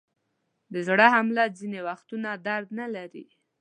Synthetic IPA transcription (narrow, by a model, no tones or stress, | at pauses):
d̪əzɽaɦamlazinewaxt̪unad̪aɾd̪nalaɾḭ